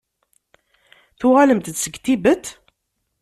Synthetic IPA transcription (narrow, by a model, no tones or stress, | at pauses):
θʊʁæləmt̪ət̪səɡt̪ibət̪